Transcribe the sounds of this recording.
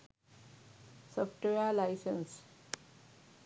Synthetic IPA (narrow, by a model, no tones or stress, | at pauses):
sɔfʈalaɪsə̃ns